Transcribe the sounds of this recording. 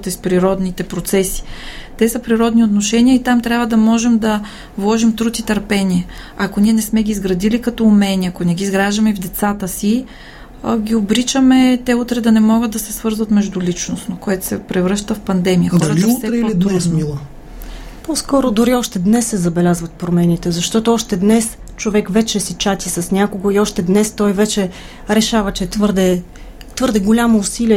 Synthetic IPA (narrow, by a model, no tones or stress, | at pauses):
t̪ɛspɾiɾɔd̪nit̪ɛpɾot̪sɛsi̥t̪ɛsɐpɾiɾɔd̪niot̪noʃɛniəit̪amt̪ɾʲjabvəd̪ɐmɔʒɛmd̪ɐ | vlˠɔʒimt̪ɾut̪it̪ɐɾpɛnʲiɛ | ɐkoniɛnɛsmɛɡʲiːzɡɾɐd̪ilikɐt̪ɔːmɛniɐkonɛɡʲiːzɡɾaʒd̪əmɛivd̪ɛt̪sat̪əsi | ɡʲiobɾit͡ʃəmɛt̪ɛut̪ɾɛd̪ɐnɛmɔɡəd̪ɐsɛsvɤɾzvət̪mɛʒd̪ulit͡ʃnosnokoɛt̪o̥sɛpɾɛvɾɤʃt̪əfpɐnd̪ɛmijədɔɐɾtliutsɾɛlid̪smilˠo | poskɔɾod̪ʊɾiɔʃt̪ɛd̪nɛsːɛzɐbɛlʲazvət̪̚pɾomɛnit̪ɛzɐʃt̪ɔt̪oɔʃt̪ɛd̪nɛs | t͡ʃovɛkvɛt͡ʃɛsit͡ʃat̪ʲisɐsnʲakoɡoiɔʃt̪ɛd̪nɛst̪ɔjvɛt͡ʃɛ | ɾɛʃavɐt͡ʃɛt̪vɤɾd̪ɛ | t̪vɤɾd̪ɛɡolʲamoːsiliɛ